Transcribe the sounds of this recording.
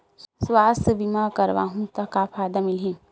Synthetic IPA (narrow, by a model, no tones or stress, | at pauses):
swaːst̪əbimaːkɐɾʋa̰ːɦũt̪ɐkaːpʰaːd̪amɪlɦĩː